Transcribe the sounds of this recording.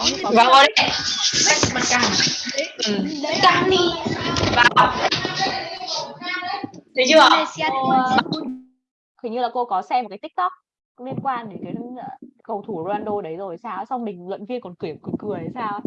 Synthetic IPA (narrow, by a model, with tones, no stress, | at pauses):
ɔ˨˦˧vaː˨˩wo˧ɗi˧a˦˥˧ma˨˩kaː˧˩˨ | kaː˧ni˧vaː˨˩˨ | t̪i˨˦t͡ɕɨ˧a˨˧˨e˧si˧a˧o˧ | kə˨˦ɲɨ˧laː˨˩ko˧kɔ˨˦sɛ˧m̚˨˩kaː˨˦t̪i˦˥k̚t̪ɔ˦˥k̚ | kʊ̰˧˥li˧ənkwaː˧nɗe˨˧˩nkaː˨˦˨kə˨˩wt̪ʰu˧˩ɾo˧aː˧nɗo˧ɗə˨˦jzo˨˩jsaː˧wsa˧wŋ͡mmï˨˩ŋ̟lwə̰˧˨nvi˧ənkɔ˨˩nkɨ˧˩˨kɨ˨˩kɨ˨˩əjsaː˧w